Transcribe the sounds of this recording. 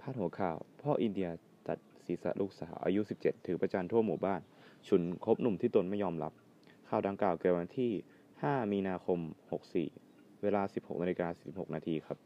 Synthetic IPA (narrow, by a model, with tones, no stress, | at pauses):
pʰaː˥˩hu˩˦ɐkʰaː˨˩wpʰɔː˥˩ʔi˧ndi˧ɐ | t͡ɕa̰˨˩t̪̚siː˩˦sa̰˨˧˩ʔlʔuː˥˩k̚sa̰ː˩˦wʔa̰ː˧ju˦˥si˨˩p̚t͡ɕe˨˩t̪ʰːɯː˩˦pɾaː˧t͡ɕaː˧nt̪ʰu˥˩ɐmuː˨˩baː˥˩n | t͡ɕʰu˨˩˦nkʰo˦˥p̚nu˨˩mt̪ʰiː˥˩t̪o˧nma˥˩jɔː˧mɾa̰˦˥p̚ | kʰaː˨˩wda˧ŋklaː˨˩wki˨˩wa˧nt̪ʰiː˥˩ | haː˥˩miː˧naː˧kʰo˧mho˨˩k̚sḭː˨˩ | weː˧laː˧si˨˩p̚ho̰˨˩k̚na˧li˧kaː˧si˨˩si˨˩pho˨˩k̚naː˧t̪ʰiː˧kʰa˦˥p̚